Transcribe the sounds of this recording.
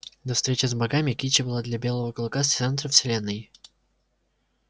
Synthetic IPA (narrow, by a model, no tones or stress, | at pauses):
d̪ɐfst̪ɾʲet͡ɕɪzbɐɡamʲɪkʲit͡ɕɪbɨlˠad̪lʲɐbʲe̞lˠəvəkəlˠʊkast̪sɛnt̪ɾəfsʲɪlʲe̞nːɨj